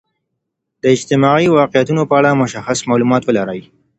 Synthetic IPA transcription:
d̪̥əɪd͡ʒt̪ɪmɑiwɑqɪjat̪unopəaɽamʊʃaxasmɑlumɑt̪wəlaɾəj

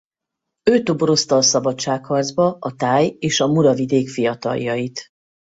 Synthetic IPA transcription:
øːt̪oboɾo̞st̪ɒːsɒbɒt͡ʃːaːkhɒrdzbɒɒt̪aːjeːʃɒmuɾɒvid̪eːkfijɒt̪ɒ̰ljɒjit̪

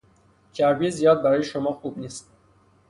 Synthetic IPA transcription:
cʰæɾbijezijɑːd̪̚bæɾɔjiʃomɒxubnist̪̚

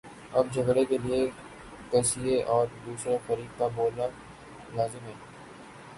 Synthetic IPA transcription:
ɐb̚d͡ʒʱɐɡɽekelie | kɐsieʔɔːɾd̪uːsɾexɐɾiːd̪̚kaboːla | laːzɪmɦɛː

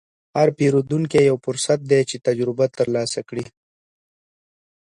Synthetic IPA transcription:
haɾpeɾud̪uŋkejawfʊɾsat̪̚d̪et͡ʃet̪ad͡ʒɾɪbat̪əɾlɑsakɽi

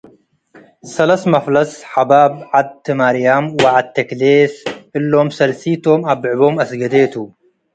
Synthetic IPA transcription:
sɐlɐsmɐflɐsħabaːbʕad̪̚t̪ɨmaɾijamwaʕad̪̚t̪ʰːɐkleːsʔɨlːomsɐlsiːt̪ʰomabʕɨbomɐsɡɐd̪et̪ʰu

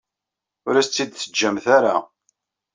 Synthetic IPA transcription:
ʊɾæst͡s̪ːid̪θəd͡ʒːæmθæɾa̰

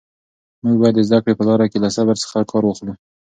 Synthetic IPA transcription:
muɡ̚bɑjad̪ːəzd̪akɽepəlɑɾakelasabaɾsə̥xakʰɑɾwəxlu

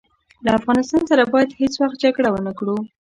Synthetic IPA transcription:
laafɣɑnɪst̪ɑnsaɾabɑjad̪het͡swaxt̪̚d͡ʒaɡɽawənakɽu

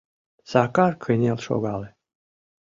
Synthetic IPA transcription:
sakarkʰənʲelˠʃɔ̰ɡalˠɛ

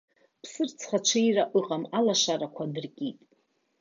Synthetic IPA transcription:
pʰsɨrt͡sʰχat͡ʃʷʰɨiraʔɨqʼamalaʃarakʷʰadɨrkʲʼitʼ

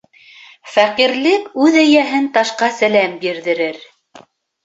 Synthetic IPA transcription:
fæqiɾlɘkʉðæjæɦɘnt̪ɑʃqɑsælæmbiɾðɘ̆ɾɘɾ

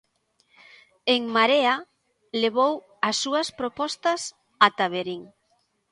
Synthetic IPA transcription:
eŋmaɾea | leβ̞ow | asːuɐspɾopɔst̪ɐs | at̪aβeɾiŋ

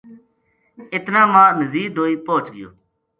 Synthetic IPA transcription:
ɪt̪nãːmãːnəziːd̪ʱoːiːpoːt͡ʃɡɪjo̰ː

